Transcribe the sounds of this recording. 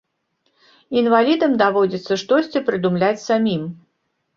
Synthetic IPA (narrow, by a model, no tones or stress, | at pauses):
invalʲid̪ɐmd̪avɔd͡zʲit̪sːɐʂt̪ɔsʲt͡sʲɛpɾɨd̪umlʲat͡sʲsamʲim